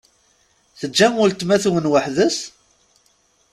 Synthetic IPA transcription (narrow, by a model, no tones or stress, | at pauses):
θəd͡ʒːæmʊlt̪mæθwənwəħðəs